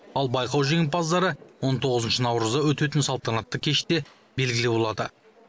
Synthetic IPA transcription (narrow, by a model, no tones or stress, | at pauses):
ɑlˠbɑjqɑwʒeŋɪpɑzd̪ɑɾəwo̞nt̪ʰo̞ʁəzənʃənɑwɾəzd̪ɑwɵt̪e̞t̪ɪnsɑlˠt̪ɑnɑt̪ːəkʲʰe̞ʃt̪e̞ | be̞lɡʲɪlɪbo̞lˠɑd̪ə̰